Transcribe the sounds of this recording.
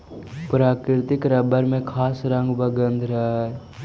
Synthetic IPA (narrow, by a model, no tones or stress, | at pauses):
pɾaːkɾɪt̪ɪkɾɐbəɾmẽkʰaːsɾə̃ŋɡbəɡə̃nd̪ʱɾɐɦ